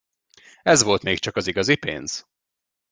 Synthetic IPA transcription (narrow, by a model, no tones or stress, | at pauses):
ɛzʋo̞lt̪meːkt͡ʃɒkɒziɡɒzipḛːnz̥